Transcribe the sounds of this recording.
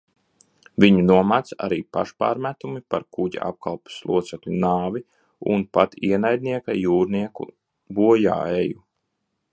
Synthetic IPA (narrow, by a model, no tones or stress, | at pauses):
viɲunuɔmat̪sa̰ɾiːpaʃpa̰ːɾmæt̪umipaɾkuɟa̰ʔa̰p̚kʰalˠpu̥slˠuɔt̪sɛklʲunaːvi | ṵnpat̪iɛnajd̪̚ʲniɛkajuːɾniɛkṵ | buɔja̰ːeju